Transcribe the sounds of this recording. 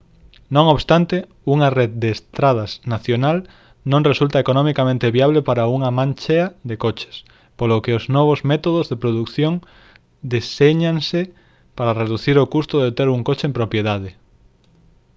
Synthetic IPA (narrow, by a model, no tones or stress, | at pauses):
nõŋoβst̪ant̪e | uŋareð̚d̪eːst̪ɾað̞asnaθjonal | nõŋresult̪ɐekonɔmikamẽnt̪eβiaβlepaɾauŋamãnt͡ʃeɐðekot͡ʃe̥s | polokeoznɔβ̞ozmɛt̪oðozðepɾoðukθjoŋ | d̪iseɲaŋse | paɾareðuθiɾokust̪oðet̪eɾuŋkot͡ʃeẽmpɾopjeðaðɪ